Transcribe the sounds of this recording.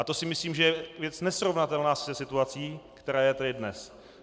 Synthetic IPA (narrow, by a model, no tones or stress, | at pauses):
at̪o̞sɪmɪsliːmʒɛjɛvjɛt͡snɛsɾo̞vnat̪ɛlnaːsɛsɪt̪uat͡siːkt̪ɛɾaːjɛt̪adɪdnɛs